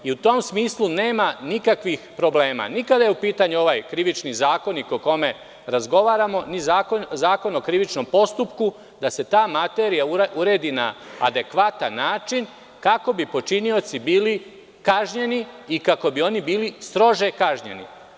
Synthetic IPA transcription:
iut̪o̞ːmsmiːslˠune̞ːmanikakʋixpɾo̞ble̞ːma̰nikad̪ajeupiːt̪aɲuo̞ʋajkɾiʋit͡ʃnizaːko̞nikoko̞me̞ | ɾazɡo̞ʋaːɾamo̞nizaːkozaːko̞nokɾiʋit͡ʃno̞mpo̞st̪upku | d̪ase̞t̪aːmat̪e̞ːɾijauuɾe̞ːd̪iːna̰ːd̪e̞kʋat̪anːaːt͡ʃin | kako̞bipo̞t͡ʃinio̞t̪sibiːli | kaʒɲe̞niikako̞bio̞nibiːlist̪ɾo̞ʒe̞kaʒɲe̞̰nḭ

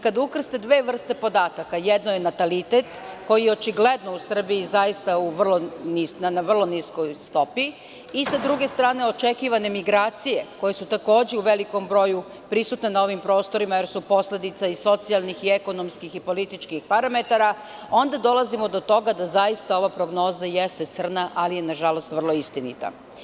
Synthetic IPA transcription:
kad̪ukr̩st̪e̞d̪ʋe̞ːʋr̩st̪e̞po̞d̪aːt̪akajed̪noje̞nat̪alit̪et̪ko̞jijeo̞t͡ʃiɡle̞d̪no̞usr̩biizajist̪auʋr̩lˠonisnanaʋr̩lˠo̞niskojst̪o̞piː | sad̪ɾuɡe̞st̪ɾaːne̞o̞t͡ʃe̞kiʋane̞miɡɾaːt̪sije̞ko̞je̞sut̪ako̞ːd͡ʑeuʋe̞liko̞mbɾo̞ju | pɾisut̪nenao̞ʋimpɾo̞ːst̪o̞ɾimajeɾsupo̞sle̞d̪it̪saiso̞t̪sialˠnixieko̞no̞mskixipo̞lit̪it͡ʃkixpaɾame̞t̪aɾa | o̞nd̪ad̪o̞lˠazimo̞d̪o̞t̪o̞ɡad̪azajist̪ao̞ʋapɾo̞ɡno̞ːzajest̪e̞t̪sr̩naʔalije̞naʒalo̞st̪ʋr̩lo̞ist̪inḭt̪a̰

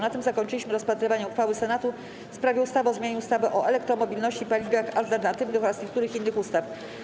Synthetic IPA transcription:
nat̪ɘmzakɔɲt͡ʂɘlʲiɕmɘɾɔspat̪ɾɘvaɲɛuxfawɘsɛnat̪u | fspɾavʲjɛust̪avɛɔzmʲjaɲuust̪avɛʔɔʔɛlɛkt̪ɾɔmɔbʲilnɔɕt͡ɕipalʲivʲjaxalt̪ɛɾnat̪ɘvnɘxɔɾasɲɛk̚t̪uɾɘxinːɘxust̪af

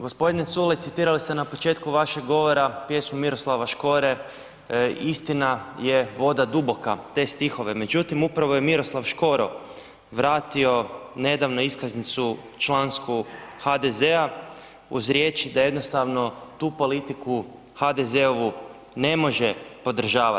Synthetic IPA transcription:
ɡospo̞d̪inet̪sulesit̪iːɾalist̪e̞napo̞t͡ʃe̞t̪kuʋaʃe̞ɡɡo̞ʋo̞ɾapje̞smomiɾo̞slaʋaʃko̞ɾe̞ | ist̪inaje̞ʋo̞d̪ad̪ubo̞kat̪e̞ːst̪ixo̞ʋe̞me̞d͡ʒut̪imupɾaʋo̞jemiɾo̞slˠaʋʃko̞ɾo̞̰ | ʋɾaːt̪io̞ne̞d̪aʋnoiskaznit̪su | t͡ʃlˠanskuxad̪ezea | uzɾʲje̞t͡ʃid̪aje̞d̪no̞st̪aʋno̞t̪uːpo̞lit̪iku | xad̪e̞ze̞oʋu | ne̞mo̞ʒepo̞d̪r̩ʒaːʋa

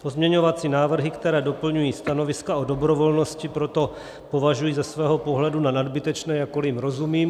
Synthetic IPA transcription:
pozmɲɛɲo̞vat͡sinaːvr̩ɦɪkt̪ɛɾɛːdopl̩ɲujiːst̪ano̞vɪskaodo̞bɾovo̞lno̞scɪpɾo̞t̪o̞ | povaʒujiːzasvɛːɦopo̞ɦlɛdunanadbɪt̪ɛt͡ʃnɛːjakolimɾo̞zumiːm

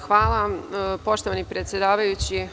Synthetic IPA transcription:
xʋaːlˠapo̞ʃt̪oʋanipɾet̪sʲjed̪aːʋajut͡ɕi

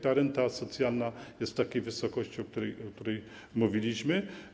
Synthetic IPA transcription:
t̪aɾɛnt̪asɔt̪sʲjalnajɛst̪t̪ːakʲejvɘsɔkɔɕt͡ɕiɔk̚t̪uɾɛjɔkt̪uɾɛj | muvʲilʲiɕmɘ

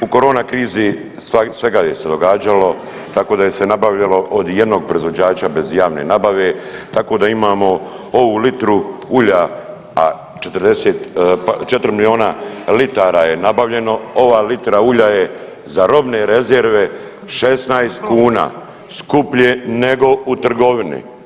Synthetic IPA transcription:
uko̞ɾo̞ːnakɾiːzi | sʋe̞ɡajese̞d̪o̞ɡaːd͡ʒalo̞ | t̪ako̞ːd̪ajese̞nabaʋʎalo̞ʔod̪jed̪no̞ːɡ̚pɾoizʋo̞d͡ʑaːt͡ɕabe̞zjaːʋnḛnabaʋe̞t̪ako̞d̪aimaːmo̞ | o̞ʋulit̪ɾuuʎa | a̰ | t͡ʃet̪ɾd̪eseːt̪t͡ʃet̪ɾmilio̞ːnalit̪aːɾaːje̞nabaʋʎe̞no̞o̞ʋaːlit̪ɾauʎaje | zaɾo̞bne̞ɾe̞zeɾʋe̞ | ʃesnajst̪kuːna̰ː | skupʎene̞ɡo̞ut̪r̩ɡo̞ʋinḭ

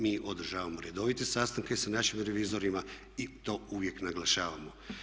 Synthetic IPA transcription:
miːʔo̞d̪r̩ʒaːʋamoɾe̞d̪o̞ʋit̪esast̪aŋkesanaʃimɾe̞ʋizo̞ɾima | it̪o̞ːuʋje̞knaɡlaʃaːʋamo̞

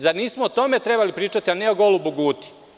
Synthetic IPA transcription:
zaɾniːsmoot̪o̞me̞t̪ɾe̞balipɾiːt͡ʃat̪ianeoɡo̞lubuɡuːt̪i̥

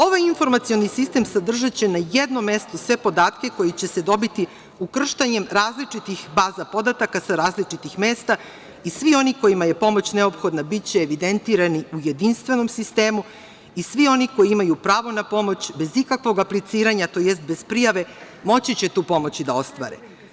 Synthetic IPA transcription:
o̞ʋajinfo̞ɾmat̪sio̞nisist̪e̞msad̪r̩ʒat͡ɕenajed̪nomːe̞st̪osʋe̞po̞d̪aːt̪keko̞jit͡ɕe̞se̞d̪o̞bit̪i | ukr̩ʃt̪aɲe̞mɾaːzlit͡ʂit̪ixbaːzapo̞d̪at̪akasaɾaːzlit͡ʂit̪ixmeːst̪a | isʋio̞niko̞jimaje̞po̞mo̞t͡ɕne̞opxo̞d̪nabit͡ɕeːʋid̪e̞nt̪iːɾaniujed̪inst̪ʋe̞no̞msist̪e̞ːmu | isʋio̞niko̞jiimajupɾaːʋo̞napo̞mo̞t͡ɕbe̞zikakʋo̞ɡaplit̪siːɾaɲat̪o̞jest̪̚be̞zpɾijaʋe̞ | mo̞t͡ɕit͡ɕe̞t̪uːpo̞mo̞t͡ɕid̪ao̞st̪ʋa̰ɾḛ

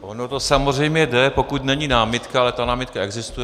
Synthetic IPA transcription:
ʔonot̪osamor̝ɛjmɲɛdɛpo̞kut̪nɛɲinaːmɪt̪kkaalɛt̪anaːmɪt̪̚kaɛɡzɪst̪ujɛ

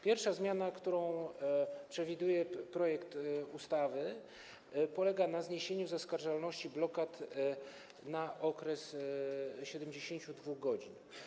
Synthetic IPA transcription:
pʲjɛɾfʂazmʲjanakt̪uɾɔ̃w̃ | pʂɛvʲid̪ujɛpɾɔjɛkt̪ust̪avɘ | pɔlɛɡanazɲeɕeɲuzaskaɾʐalnɔɕt͡ɕiblɔkat̪ | naʔɔkɾɛs | ɕɛd̪ɛmd͡ʑeɕeɲt͡ɕud̪vuɣɡɔd͡ʑin

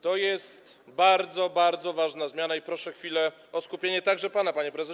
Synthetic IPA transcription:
t̪ɔjɛst̪ | baɾd̪zɔbaɾd̪zɔvaʐnazmʲjanaipɾɔʂɛxfʲilɛ | ɔskupʲjeɲɛt̪aɡʐɛpanapaɲɛpɾɛzɛ

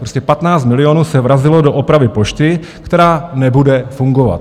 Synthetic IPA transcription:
pɾoscɛpat̪naːt͡st̪mɪlɪonuːsɛvɾazɪlodoʔopɾavɪpoʃt̪ɪ | kt̪ɛɾaːnɛbudɛfuŋɡova̰t̪

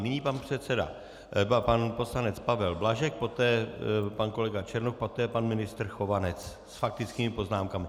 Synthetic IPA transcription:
nɪɲiːpanpr̝̥ɛt̪sɛda̰ | panpo̞slanɛt͡spavɛlblaʒɛk̚po̞t̪ɛːpanko̞lɛɡat͡ʃɛɾnokpo̞t̪ɛːpanmɪnɪst̪r̩xo̞vanɛt͡s | sfak̚t̪ɪt͡skiːmɪpo̞znaːmkamɪ

